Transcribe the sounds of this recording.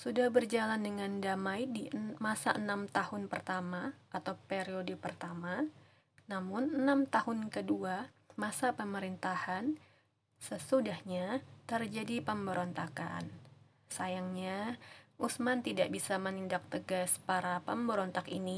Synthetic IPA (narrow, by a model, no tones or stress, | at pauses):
sudahbərd͡ʒalandəŋandamaɪdimasaʔənamt̪ahʊnpərt̪amaʔat̪awpeɾiodəpərt̪ama | namʊnənamt̪ahʊnkədua | masapəməɾint̪ahan | səsudahɲat̪ərd͡ʒadipəmbəɾɔnt̪aka̰n | sajaŋɲaʔusmant̪idaʔbisamənindak̚t̪əɡaspaɾapəmbəɾɔnt̪akini